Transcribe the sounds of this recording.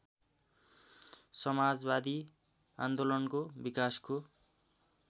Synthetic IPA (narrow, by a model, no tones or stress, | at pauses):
sʌmad͡zbad̪i | a̰nd̪olʌnkobikasko